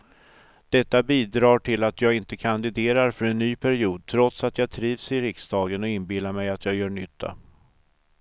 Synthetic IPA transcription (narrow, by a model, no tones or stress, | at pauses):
d̪̥ɛt̪ːabiːd̪ɾɑːʈʰɪlat̪jɑːɡɪnt̪əkʰand̪ɪd̪eːɾaɾfœɾɛnːyːpʰæɾɪuːd̪̚t̪ʰɾɔt̪sat̪jɑːt̪ʰɾiːvsɪɾɪksd̪ɑːɡənɔɪnbɪlːamɛjat̪jɑːjœːɳʏt̪ʰːa̰